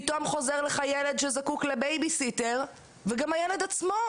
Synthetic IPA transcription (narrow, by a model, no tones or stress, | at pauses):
t̪omχo̞zeʁleχajele̞dʃezakuklebejbisiteʁ | veɡamhajele̞d̪at͡smo̞